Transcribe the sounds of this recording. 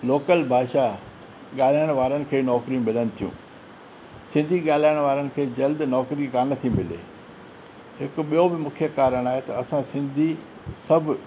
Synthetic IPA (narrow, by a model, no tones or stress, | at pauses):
loːkəlbʱaːʃa | ɠaːl̤aːjəɽ̃ʋaːɾənɪ̆kʰeːnɔːkɾijũmɪlənɪ̆t̪ʰijṵ̃ː | sɪ̃nd̪ʱiɠaːl̤aːjəɽ̃ʋaːɾənɪ̆kʰeːd͡ʑɐld̪nɔːkɾikaːnət̪ʰĩmɪlḛː | ɦɪkʊɓijobɪmʊkʰijəkaːɾəɽ̃aːɦet̪ɐɐsãsɪ̃nd̪ʱi | sɐbʱʊ